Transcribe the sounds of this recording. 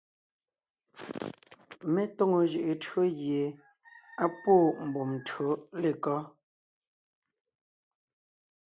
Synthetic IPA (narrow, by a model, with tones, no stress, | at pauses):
mɛ˦to˦˨ŋo˨ʒɯ˨ʔe˨tʰɰo˦ɣje˨ | a˦poː˦˨m̩˨bo˨mtʰɰo˨˦le˨kɔ˦